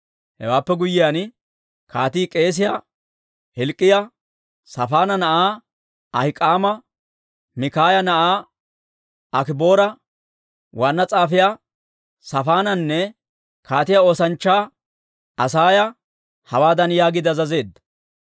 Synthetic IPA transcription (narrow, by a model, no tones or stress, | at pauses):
hɛ̰waːpːɛɡʊjːɪjaːn | kʰaːt̪iːkʼe̞ːs̬ɪja | hɛlkʼːɪjɐ | sɐfaːnɐnɐʔaː | ɐhɪkʼːaːmɐ | mɪkaːjɐnɐʔaː | ɐkɪbo̞ːɾɐ | waːnːɐt͡sʼaːfɪja | sɐfaːnɐnːɛ | kaːt̪ɪjao̞ːsɐnt͡ʃːaː | ɐsaːjɐ | hɐwaːd̪ɐnjaːɡɪd̪ɐzɐze̞ːd̪ːɐ̥